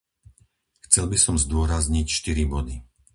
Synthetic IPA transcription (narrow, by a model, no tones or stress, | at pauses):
xt͡sɛlbisɔmzd̪ʊɔɾazɲicʃt̪iɾibɔd̪i